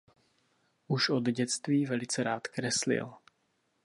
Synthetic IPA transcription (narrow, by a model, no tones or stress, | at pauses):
ʔuʃʔod̪ɟɛt͡st̪viːvɛlɪt͡sɛɾaːt̪kɾɛslɪ̰l